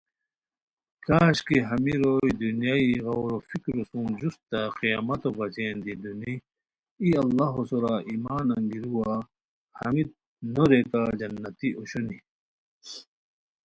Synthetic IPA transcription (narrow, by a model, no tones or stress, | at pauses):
kaːɕkiɦɐmiɾoːid̪unjaiɣɐwɾofikɾosũnd͡ʑust̪aqija̰ːmɐt̪obɐzeːnd̪id̪uni | iɐlːaɦosoɾaʔimaːnɐŋɡiɾuwa | hɐ̰mit̪̚ | noɾekad͡ʑɐnːɐt̪iʔoɕoni